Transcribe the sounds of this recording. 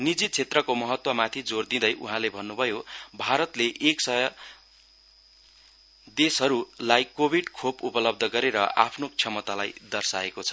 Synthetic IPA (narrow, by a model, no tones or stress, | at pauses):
nid͡zit͡sʰet̪rʌkomʌɦʌt̪wʌmat̪ʰid͡zord̪ĩd̪ʌjʔṵɦãlebʱʌnːubʱʌjobʱaɾʌt̪leʔeksʌjʌ | d̪esʌɾulajkobʱiɖkʰopupʌlʌb̚d̪ʱʌɡʌɾeɾʌʔa̰pʰnokt͡sʰʌmʌt̪alajd̪ʌrsaekot͡sʰʌ